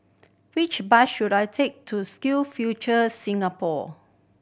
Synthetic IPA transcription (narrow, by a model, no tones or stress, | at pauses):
wit͡ʃbaʃːudajtʰek̚tʰuskilfjut͡ʃəsĩŋapɔ